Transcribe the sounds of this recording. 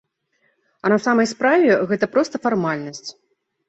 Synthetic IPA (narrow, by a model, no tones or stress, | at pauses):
ɐnɐsamɐjspɾavʲɛɣɛt̪ɐpɾɔst̪ɐfarmalʲnɐsʲt͡sʲ